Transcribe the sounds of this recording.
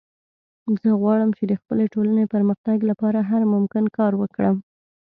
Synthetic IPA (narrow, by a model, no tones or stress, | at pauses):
zəɣwɑɽəmt͡ʃed̪əxpəleʈolanepəɾməxt̪aɡlapɑɾaɦaɾmʊmkɪnkɑɾwəkɽəm